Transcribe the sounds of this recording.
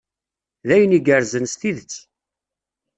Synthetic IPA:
ðæjəniɡəɾzənst̪iðət͡sː

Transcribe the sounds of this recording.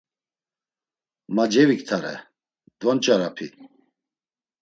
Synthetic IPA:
mad͡ʒɛvikt̪ʰaɾɛ̰ | d̪vɔnt͡ʃʼaɾapʰi

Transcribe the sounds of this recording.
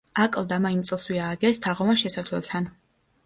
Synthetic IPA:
akʼlˠd̪amaimt̪sʼlˠswiaːɡɛst̪ʰaʁɔvanʃɛsazlɛ̰lˠt̪ʰan

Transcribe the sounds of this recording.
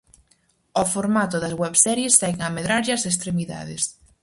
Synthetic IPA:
ofoɾmat̪ʊðɐzɣwɛβsɛɾjest̪ɛɣameðɾaɾʎɐses̬t̪ɾemiða̰ðḛs

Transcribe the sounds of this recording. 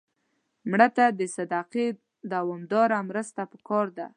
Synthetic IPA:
mɽat̪ad̪əsad̪ɑqe | d̪awɑmd̪ɑɾamɾəst̪apəkɑɾd̪a̰

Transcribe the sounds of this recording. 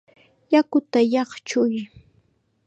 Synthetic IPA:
jakʊt̪ajɑχt͡ʃʊj

